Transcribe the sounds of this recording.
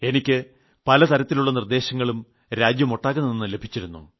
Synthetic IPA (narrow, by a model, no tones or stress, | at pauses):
e̞nikʲːɨ | pɐlɐt̪ʰɐɾɐt̪ːiluɭːɐnird̪e̞ːɕɐŋːɐɭum | ɾaːd͡ʑjɐmo̞ʈːaːɣunːɐninːɨle̞bʱit͡ɕːiɾunːṵ